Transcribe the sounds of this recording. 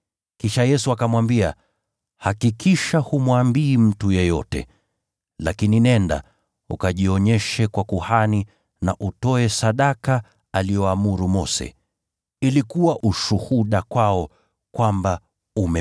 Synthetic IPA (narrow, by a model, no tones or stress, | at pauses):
kiʃajɛsuakamwambia | hakikiʃahumwambiːm̩tujɛjɔ̰tɛ̰ | lakininɛnda̰ | ṵkaʄiɔɲɛʃɛkwakuhani | naʔutɔɛsaɗaka | alijɔamuɾumɔsɛ̰ | ilikuwaʔuʃuhuɗakwaɔ | kwamba | umɛ